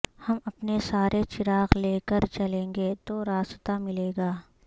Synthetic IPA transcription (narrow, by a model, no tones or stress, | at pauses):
hɐmɐpnesaːɾʔet͡ʃɪɾaːɣleːkəɾt͡ʃɐlẽːŋɡeːt̪oɾaːst̪amɪleːɡaː